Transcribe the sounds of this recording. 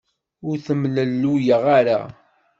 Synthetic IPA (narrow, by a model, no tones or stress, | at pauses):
ʊɾθəmləlːujəʁaɾa̰